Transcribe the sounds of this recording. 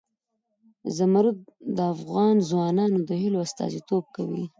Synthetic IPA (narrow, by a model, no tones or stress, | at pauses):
zamaɾud̪̚d̪əafɣɑnzwɑnɑnod̪əɦɪloast̪ɑ̰zit̪ob̚kawi